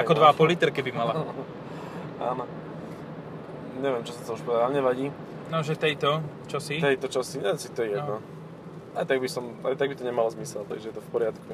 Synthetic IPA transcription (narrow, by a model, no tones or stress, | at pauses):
akɔd̪ʋaapɔlit̪ɾkɛbimala | a̰ːnɔ | ɲɛʋjɛmt͡ʃɔsat̪ɔuʃpɔd̪adaɲɛʋaɟiː | nɔʒɛt̪ɛjt̪ɔ | t͡ʃɔsit̪ɛjt̪ɔt͡ʃasiɲɛnsit̪ɔjɛjɛɔ | ajt̪aɡ̚bisɔmajt̪aɡbit̪ɔɲɛmalɔzmisɛlt̪a̰ɡʒɛjɛt̪ɔfpɔɾɪat̪ku